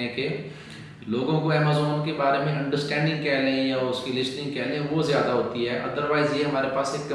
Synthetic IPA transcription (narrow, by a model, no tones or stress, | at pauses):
ɛ̃ke | loːɡõkoɛːmazɔːnkebaːɾemẽɐ̃ɳɖəɾsʈɛ̃ːɳɖɪ̃ŋɡ̚kɛːleĩɛ̃ɔːɾʊskilɪsʈɪ̃ŋɡkɛːlẽẽʋozjaːd̪aɦoːt̪iɦɛːʔɐd̪əɾʋaːɪzjeɦɐmaːɾepaːseːkː